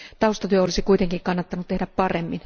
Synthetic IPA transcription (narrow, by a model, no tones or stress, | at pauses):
t̪ɑust̪ɑt̪yøolisikuit̪eŋkiŋkɑnːɑt̪ːɑnut̪t̪ehdæppɑremːin